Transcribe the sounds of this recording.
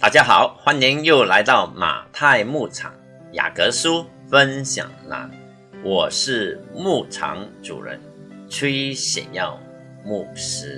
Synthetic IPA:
t̪a̰˥˩t͡ɕja˥xɑ˩˦ʊxwa˥ni˧˥njo˥˩ʊla˧˥ɪt̪ɑ˥˩ʊma̰˨˩t̪ʰa˥˧ɪmu˥˩ʈ͡ʂʰɑ̰˨˩˦ŋ | ja̰˨˩kɤ˧˥ʂu˥ | fə˦˥nɕjɑ̰˨˩ŋla̰˧˥n | wɔ˨˩ʂɻ̩˥˩mu˥˩ʈ͡ʂʰɑ̰˧˥ŋʈ͡ʂṵ˨˩ɻə̰˧˥n | ʈ͡ʂʰwe˥ɪɕjɛ̰˨˩njɑ˥˧ʊ | mu˥˩ʂɻ̩˥

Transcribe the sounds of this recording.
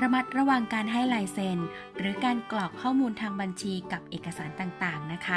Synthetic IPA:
ɾa˧ma˦˥t̪̚ɾa˧waː˨˩ŋkaː˧nɦa˥˩jlaː˧jse˧n | ɾɯː˩˦kaː˧nklɔː˨˩k̚kʰːɔː˥˩muː˧nt̪ʰaː˧ŋba˧nt͡ɕʰiː˧ka˨˩p̚ʔeː˨˩kːa˧saː˩˦nt̪aː˨˩ŋt̪aː˨˩ŋna˦˥kʰa˦˥

